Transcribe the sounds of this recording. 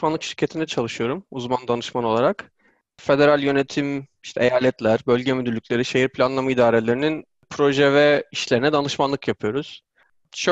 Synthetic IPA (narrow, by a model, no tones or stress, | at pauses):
manˠɯkʃiɾcʰe̞t̪ʰind̪ɛt͡ʃʰalˠɯʃɯjo̞ɾumuzmand̪anɯʃmano̞lˠaɾak | fe̞d̪e̞ɾalʲjø̞ne̞t̪ʰim | iʃt̪ʰɛejaːlʲɛt̪lʲæɾbølʲɟemyd̪ylʲːycʰʲlʲe̞ɾiʃejiɾpʰlʲanlˠamaid̪aːɾelʲe̞ɾinin | pʰɾo̞ʒɛvɛiʃlʲe̞ɾinɛd̪anɯʃmanlˠɯkjapʰɯjo̞ɾuz̥ | ʃ